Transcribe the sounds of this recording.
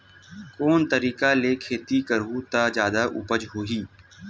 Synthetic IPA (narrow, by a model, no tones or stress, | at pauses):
koːnt̪əɾiːkaleːkʰeːt̪ikəɾut̪ad͡ʒjaːd̪aʔʊ̰pəd͡ʒɦoːiː